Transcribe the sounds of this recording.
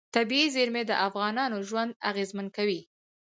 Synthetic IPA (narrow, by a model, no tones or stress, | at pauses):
t̪abiizeɾmed̪əʔafɣɑnɑnoʒwand̪aɣezmankawi